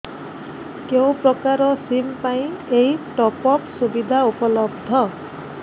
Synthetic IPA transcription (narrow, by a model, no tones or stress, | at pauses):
kew̃pɹɔkaɾɔsimpaj̃ejʈɔpɔksubid̪ʱaupɔlɔb̚d̪ʱɔ